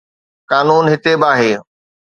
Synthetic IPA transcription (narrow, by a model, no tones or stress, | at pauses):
kaːnuːnɦɪt̪ebɪaːɦeː